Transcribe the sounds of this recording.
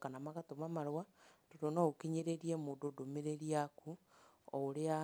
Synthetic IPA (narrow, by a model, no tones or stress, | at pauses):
kanamaɣatomamaɾwatodonɔokeɲeɾeɾiɛmoːdodomeɾeɾiaku | ɔoɾea